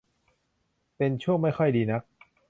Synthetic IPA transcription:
pe˧nt͡ɕʰu˥˩əŋma˥˩jxʰɔ˥˩jdiː˧na˦˥k̚

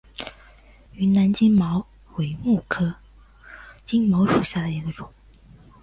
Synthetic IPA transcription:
y˧˥na˧˥nt͡ɕi˥ŋmɑ˧˥ʊ | we˨˩ɪmu˥˩kʰɤ˥ | t͡ɕi˥ŋmɑ˧˥ʊʂu˨˩ɕja˥˩d̪ə˩i˧˥ɡə˧ʈ͡ʂʊ˨˩˦ŋ

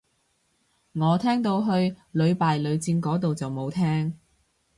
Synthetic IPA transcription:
ŋɔː˨˧t̪ʰɛː˥ŋt̪o˧wɦɵ˧ɥlɵ˨˧ɥpaː˨jlɵ˨˧ɥt͡siː˧nkɔː˨˥t̪o˨wt͡sɐ˨wmo˨˧wt̪ʰɛː˥ŋ

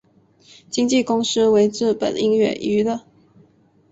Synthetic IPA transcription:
t͡ɕi˥ŋt͡ɕi˥˨kʊ˥ŋs̩˥we˧˥ɪʈ͡ʂɻ̩˥˩pə̰˨˩ni˥ŋɥɛ̰˥˩ʔy˧˥də˨

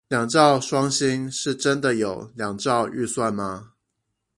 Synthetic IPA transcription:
ljɑ˨˩ŋʈ͡ʂɑ˥˨ʊʂwɑ˦ŋɕi˦ŋʂɻ̩˥˩ʈ͡ʂə˦nd̪ə˨jo˨˩ʊljɑ˨˩ŋʈ͡ʂɑ˥˧ʊʔy˥˧swa˥˩nma˨˩

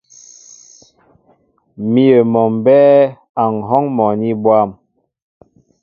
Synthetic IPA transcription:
mi˦ə˨mɔ˨mbɛ˦ | a˨ŋ˨ɦɔ˦ŋmɔ˨ni˦bwa˦˨m

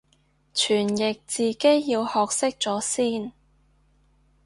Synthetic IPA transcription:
t͡ʃʰyː˨˩njɪ˨k̚t͡siː˨ke˥jːiː˧whɔː˨k̚sɪ˥k̚t͡sɔː˨˥siː˥n

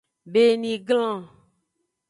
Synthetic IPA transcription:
be˦nĩ˨ɡlã˦˨

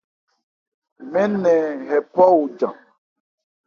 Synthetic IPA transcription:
mɛ̃˦nɛ̃˨ɦɛ˨pɔ˦u˨d͡ʒã˨

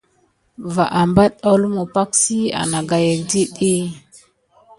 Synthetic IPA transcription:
va˨ʔa˨mba˦ɗa˦lu˦mu˨pa˦ksi˦a̰˨na˨ɡa˨ja˨di˦ɗi˦

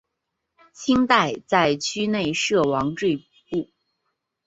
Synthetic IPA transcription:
t͡ɕʰi˥ŋt̪a˥˧ɪt͡sa˥˧ɪt͡ɕʰy˥ne˥˩˧ɪʂɤ˥˩wɑ˧˥ŋʈ͡ʂwe˥˧ɪ | pu˥˩

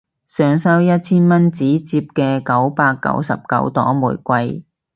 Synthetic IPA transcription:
sœː˨˧ŋsɐ˥wjɐ˥t̚t͡sʰiː˥nmɐ˥nt͡siː˨˥t͡siː˧p̚kɛː˧kɐ˨˥wpaː˧kːɐ̰˨˥wsɐ̰˨p̚kɐ̰˨˥wt̪ɔ̰ː˨˥ŋmṵː˨˩jkʷɐ˧j

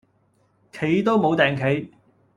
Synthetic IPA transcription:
kʰe˨˥jt̪o˥wmo˨˧wt̪ɛː˨ŋkʰe˨˥j

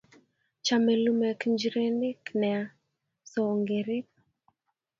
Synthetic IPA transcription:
t͡ʃa˨mɛ˨lumɛ˨kɲd͡ʒɾe˦nɪ˦knɛ˨a | sɔ˨ŋɡeɾɪ˦k̚

